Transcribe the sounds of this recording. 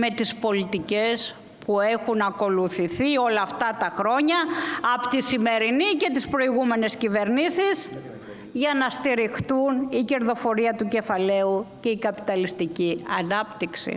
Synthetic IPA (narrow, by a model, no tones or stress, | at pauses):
me̞t̪ispo̞lit̪ice̞s | pue̞xunɐko̞luθiθio̞lɐːft̪ɐt̪ɐxɾo̞ɲɐːpot̪isime̞ɾinice̞t̪ispɾo̞iɣume̞ne̞scive̞ɾnisiz | ʝɐnɐst̪iɾixt̪unice̞ɾðo̞fo̞ɾiɐt̪uce̞fɐle̞uce̞ikɐpi̥t̪ɐlist̪iciɐnɐpt̪iksḭ